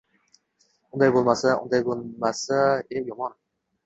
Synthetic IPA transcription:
und̪ajbolˠmasaʔṵnd̪ajbolˠmasaejomɑn

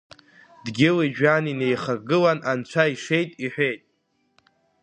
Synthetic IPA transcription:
dɡʲɪliʒᶣanine̞jχarɡɨlanʔant͡ɕʷʰaiʂe̞jtʼiħᶣʷejtʼ

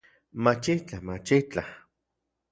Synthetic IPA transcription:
mat͡ʃit͡ɬahmat͡ʃit͡ɬah

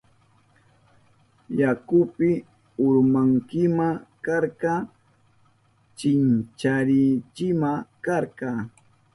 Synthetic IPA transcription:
jakʊpɪ | ʊɾmaŋkɪmakɑɾqɑː | t͡ʃɪnt͡ʃaɾɪt͡ʃɪmakɑɾqɑː

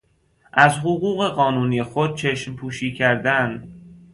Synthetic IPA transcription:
ʔæzɦoɣuːɣe̞ɢɒːnuːniːexod̪̥̚t͡ʃʰe̞ʃmpʰuːʃiːcʰæɾd̪æn

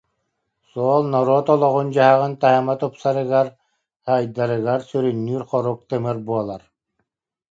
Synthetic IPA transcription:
suɔːlˠnɔɾɔɔt̪ɔlˠɔʁund͡ʑaɦaʁɯnt̪aɦamat̪ɔpsaɾɯɡaɾ | hajd̪aɾɯɣaɾsyɾynːyːɾχɔɾuk̚t̪ɯmɯɾbuɔlˠaɾ

